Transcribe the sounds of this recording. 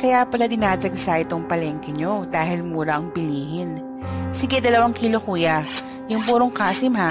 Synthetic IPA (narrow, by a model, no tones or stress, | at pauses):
kɐjapɐlɐd̪ɪnaːd̪ɾɐɡsaʔɪt̪oŋpɐlɛŋkɛɲo̞d̪aːɦɪlmuːɾɐʔɐŋpɪliːɦɪn | siɡɛd̪ɐlɐwaŋkiːlokuːjɐ | jʊŋpuːɾoŋkaːsɪmɦa